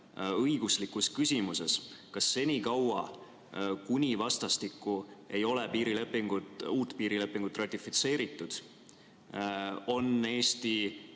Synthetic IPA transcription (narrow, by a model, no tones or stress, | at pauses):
ɤjɡ̥uslikːuskysʲimuse̞skɑsːe̞nʲikɑwɑ̰ | kunʲivɑst̪ɑst̪ikˑːue̞jo̞lepiːɾile̞pːˑiŋɡ̥ut̪uːt̪ːˑpiːɾile̞pːˑiŋɡ̥ut̪ːˑrɑt̪ˑːifit̪se̞ːɾit̪ːˑud̪̥ | o̞ne̞ːst̪i